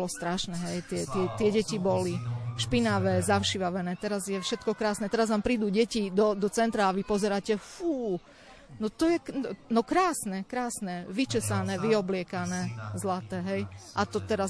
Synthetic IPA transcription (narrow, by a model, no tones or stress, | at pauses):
lɔst̪ɾaʃnɛɦɛjt̪ɪɛt̪ɪɛt̪ɪɛɟɛcibɔliʃpinaʋɛzaʊʃiʋaʋɛnɛːt̪ɛɾazjɛfʃɛt̪kɔkɾaːsnɛt̪ɛɾaznaːmpɾiːd̪uːɟɛcid̪ɔd̪ɔt͡sɛnt̪ɾaːʋipɔzɛɾaːcɛfuː | nɔt̪ɔjɛnɔkɾaːsnɛkɾaːsnɛʋit͡ʃɛsanɛʋiɔblɪɛkanɛzlat̪ɛɦɛjʔat̪ɔt̪ɛɾa